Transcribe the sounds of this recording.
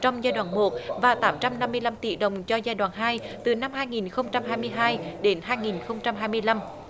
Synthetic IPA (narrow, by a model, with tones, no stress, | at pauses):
t͡ɕɔ˧wŋ͡mzaː˧jɗwaː˧˨˩nmo˨˩t̚vaː˨˩t̪aː˨˦mt͡ɕa˧mna˧mːɨ˧əjla˧mt̪ḭ˧˩ɗə˨˩wŋ͡mt͡ɕɔ˧zaː˧jɗwaː˨nɦaː˧jt̪ɨ˨˩na˧mhaː˧jŋi˨˩nxə˧wŋ͡mt͡ɕa˧mɦaː˧jmɨ˧əjɦaː˧jɗe˨˦nɦaː˧jŋi˨˩nxə˧wŋ͡mt͡ɕa˧mɦaː˧jmɨ˧əjla˧m